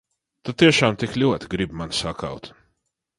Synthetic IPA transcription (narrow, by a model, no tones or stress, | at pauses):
t̪ut̪iɛʃaːmt̪iklʲuɔt̪ɡɾibmansaka̰wt̪